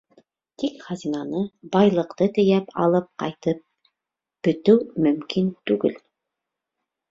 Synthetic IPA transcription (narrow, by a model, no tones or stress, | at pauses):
t̪ikχɑzinɑnɤbɑjlˠɤ̆qt̪ɤt̪ɘ̆jæpɑ̰lˠɤp̚qɑ̰jt̪ɤp̚ | b̥ɵ̆t̪ɘwmɵ̆mkint̪ʉɡɘ̰l